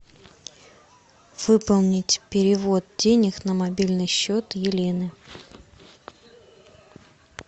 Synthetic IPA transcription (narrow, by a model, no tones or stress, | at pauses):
v̥ɨpəlˠnʲɪtʲpʲɪɾʲɪvo̞t̪̚dʲenʲɪxnəmɐbʲilʲnɨjɕːot̪jɪlʲenɨ